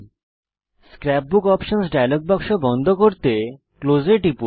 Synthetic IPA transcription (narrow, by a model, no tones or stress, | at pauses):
skɾɛp̚bukɔpʃonsɖajlok̚bɔkʃobɔnd̪ʱokoɾt̪e | klod͡ʑeʈipu